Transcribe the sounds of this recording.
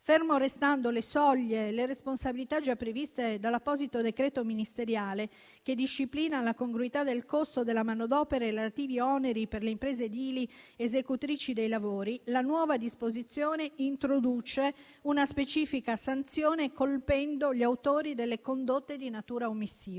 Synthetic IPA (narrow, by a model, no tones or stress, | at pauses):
fermoɾest̪and̪olesɔʎːeleɾesponsabilit̪ad͡ʒapːɾevist̪ed̪alːapːɔzit̪od̪ekɾɛːt̪ominist̪eɾjaːle | k̟ed̪iʃːipliːnalakoŋɡɾuit̪ad̪elkost̪od̪elːamanod̪ɔːpeɾeeleat̪iːviɔneɾiperleimpɾeːzed̪iliezekut̪ɾiːt͡ʃid̪ejlavoːɾilanwɔːvad̪ispozit̪sːjoːneint̪ɾod̪ut͡ʃe | unaspet͡ʃiːfikasant̪sjoːnekolpɛnd̪oʎiawt̪oːɾid̪elːekond̪ot̪ːed̪inat̪uːɾaomːisːiːv